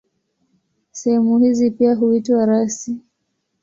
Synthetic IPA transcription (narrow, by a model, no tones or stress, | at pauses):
sɛhɛmuhizipiaɦuitwaɾasi